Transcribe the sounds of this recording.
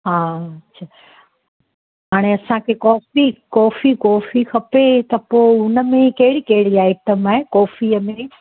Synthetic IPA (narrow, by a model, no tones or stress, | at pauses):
ɦãːɐtːɕʰa | ɦaːɽ̃eɐsãkʰekɔːfikɔːfikɔːfixʰɐpet̪ɐpoːʊnə̆mẽkɐɦɪɽikɐɦɪɽiaːɪʈəmaːɦekɔːfiəmẽ